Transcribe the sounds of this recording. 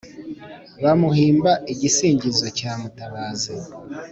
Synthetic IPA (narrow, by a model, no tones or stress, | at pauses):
βamuhiːmbaiɟisiːɲɟizo̞caːmutaβaːzi